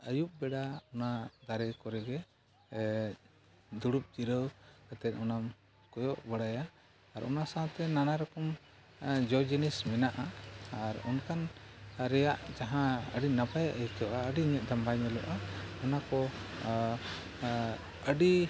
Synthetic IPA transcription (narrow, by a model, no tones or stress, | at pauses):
əjup̚bɛɽaɔnad̪aɾɛkɔɾɛɡɛ | d̪uɽup̚d͡ʒiɾəwɡat̪ɛt̪̚ˀɔnam | kɔjɔʔbəɽajaː | ɾɔ̰nasat̪ɛnanaɾɔkɔm | d͡ʒɔd͡ʒinismɛnaʔaːɾɔnkanɾɛjaʔd͡ʒaɦãəɖinabajaʔɛjkʰɔʔaəɖiɲɛʔ̚d̪ambajɲɛlɔ̰ʔaɔnakɔ | əɖi